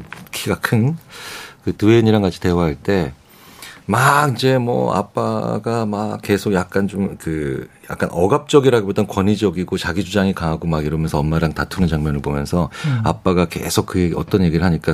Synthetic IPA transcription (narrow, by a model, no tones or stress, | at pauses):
kʰiɡakʰɯn | kɯtɯeɲiɾaŋɡat͡ɕʰi̥tewaɦaɭt͈e̞ | maind͡ʑe̞mwʌ̰a̰p͈aɡamake̞sʰoɡjak̚k͈ant͡ɕomkɯja̰k̚k͈a̰nʔʌɡap̚t͡ɕ͈ʌɡiɾaɡobodankwʌɲid͡ʑʌɡiɡot͡ɕaɡid͡ʑud͡ʑaŋikaŋɦaɡomaɡiɾʌmjʌnsʰʌʌmmaɾaŋtatʰunɯnt͡ɕaŋmjʌnɯɭbomjʌ̰nsʰʌa̰p͈aɡake̞̰sʰok̚k͈ɯjeɡiʌ̰t͈ʌnje̞ɡiɾɯɭɦaɲik͈a